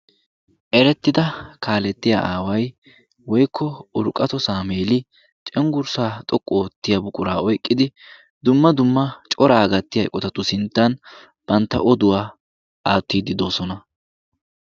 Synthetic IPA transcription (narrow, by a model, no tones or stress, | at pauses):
ʔɛɾɛt̪ːɪd̪ɐkʰaːlɛt̪ːɪja̰ʔaːwɐj | wɔjkʰːɔʊɾkʼːɐt̪ɔsaːmeːlɪ | t͡ʃʼɛŋɡʊɾsaːt̪ʼɔkʼːoːt̪ːɪjɐbʊkʼʊɾaːɔjkʼːɪd̪ɪ | d̪ʊmːɐd̪ʊmːɐt͡ʃʼɔɾaːɡɐt̪ːɪjɐjkʼɔt̪ɐt̪ːʊsɪnt̪ːɐn | b̥ɐnt̪ːɐ̰ʔɔd̪ʊwaː | ʔaːt̪ːiːd̪ɪd̪o̞ːsɔnɐ